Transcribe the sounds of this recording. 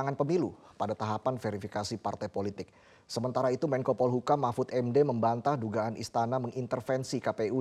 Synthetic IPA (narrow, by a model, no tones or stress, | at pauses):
aŋanpəmilṵ | padat̪aɦapanfeɾifikasipart̪ajpolit̪ɪk̚ | səmənt̪aɾait̪umɛŋkopɔlɦukamafut̪ɛmdeməmbant̪ahduɡaːnʔḭst̪anaməŋʔint̪ərfɛnsikapeu